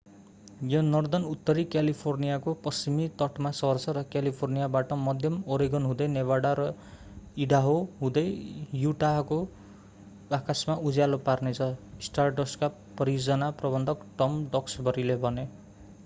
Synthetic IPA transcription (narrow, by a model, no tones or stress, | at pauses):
jʌnʌrd̪ʌnut̪ːʌɾikjalipʰornijakopʌst͡ʃimit̪ʌʈmasʌʌrsʰʌɾʌkjalipʰornijabaʈʌmʌd̪ʱjʌmoɾiɡʌnɦũd̪ʌjneβaɽaɾʌ | iɖaɦoɦũd̪ʌjjuʈako | akasmaud͡zaloparnet͡sʰʌisʈarʈʌska | pːʌrijod͡zʌnaprʌbʌnd̪ʱʌkʈʌmɖʌksbʌɾilebʱʌne